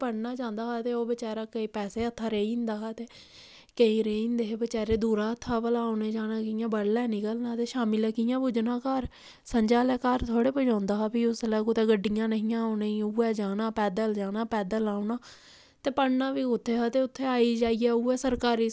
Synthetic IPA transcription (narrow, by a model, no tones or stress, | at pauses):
pəɽnaːd͡ʒãːnd̪aːɦaːt̪eːoːbɪt͡ʃaːɾaːkəiːpɛːseːət̪ʰːaːɾeːiːɪ̃nd̪aːɦaːt̪eː | kəĩːɾeːnd̪eːɦebət͡ʃɛːɾeːd̪uːɾaːət̪ʰːaːpəlaːʊnẽːd͡ʒaːnaːkɪjãːbəɽlɛːniːkəlnaːt̪eːʃaːmɪlɛːkɪjãːbʊd͡ʒnãːkəɾ | səɲd͡ʒaːlɛːkaɾt̪ʰoːɽeːpəd͡ʒãːnd̪aːɦaːpiːʊslɛːkot̪eːɡəɖːɪjãːnəɦĩjãːneiuːɛːd͡ʒaːnaːpɛːd̪əld͡ʒaːnaːpɛːd̪əlaːʊnaː | t̪eːpəɽnaːʋiːʊt̪ʰːeːɦaːt̪eːʊt̪ʰːeːaːiːd͡ʒaːiːɛːuːɛːsəɾkaːɾiː